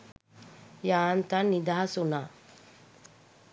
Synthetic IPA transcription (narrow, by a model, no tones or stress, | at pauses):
jaːnt̪anːid̪aɦasunaː